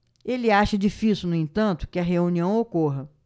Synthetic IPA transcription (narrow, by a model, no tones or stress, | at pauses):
elɪaʃɐd͡ʒifisiuwnʊẽnt̪ɐ̃nt̪ʊ̥kɪɐɦeũniɐ̃w̃okoɦɐ